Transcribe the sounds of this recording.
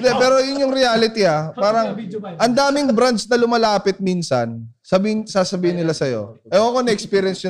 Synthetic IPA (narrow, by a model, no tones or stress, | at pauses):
d̪ɛpɛːɾo̞jʊnjʊŋɾɪjaːlɪt̪iapaːɾɐŋʔɐnd̪aːmɪŋbɾand̪snɐlʊmɐlaːpɪt̪̚miːnsɐ̰nsɐbisaːsɐbiːhɪnːɪlasɐjo̞̰ʔɛʔoɐkonɐɛkspiːɾjɛnsʊ